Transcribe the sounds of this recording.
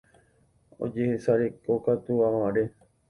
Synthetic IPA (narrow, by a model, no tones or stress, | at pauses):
o̰d͡ʒehesaɾe̞kokat̪uaʋaɾe